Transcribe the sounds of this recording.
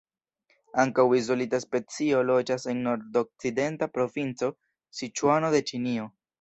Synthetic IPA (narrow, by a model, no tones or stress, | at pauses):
aŋkawizo̞litaspe̞t͡sio̞lo̞d͡ʒase̞nːo̞ɾdo̞k̚t͡side̞ntapɾo̞vint͡so̞ | sit͡ʃuano̞de̞t͡ʃinio̞